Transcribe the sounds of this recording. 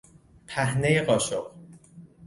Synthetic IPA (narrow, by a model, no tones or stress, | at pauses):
pʰæhne̞jeɢɒːʃoɢ